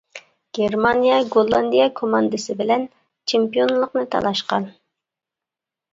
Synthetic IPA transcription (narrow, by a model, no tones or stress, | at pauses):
ɡ̥ʲeɾmɑnijɑɡolˠɑnd̪ijɑkʰomɑnd̪ɨsɪbɪlɛn | t͡ʃʰempijonlˠəqnɨt̪ʰɑ̰lˠɑʃqɑ̰n